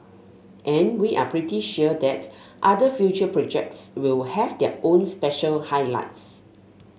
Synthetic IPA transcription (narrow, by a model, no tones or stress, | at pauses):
ʔɛ̃nwiʔa̰pʰɹitiʃuədɛt | ʔadəfjut͡ʃəpɹɔd͡ʒɛ̰k̚tswɪlhɛvdɛ̰ʔõnspɛʃəlhajla̰ɪts